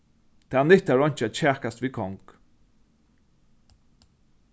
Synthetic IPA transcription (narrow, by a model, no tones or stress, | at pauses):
t̪ʰaːnɪht̪aɹɔɲ̥t͡ʃæt͡ʃʰæːkast̪viːkʰɔŋk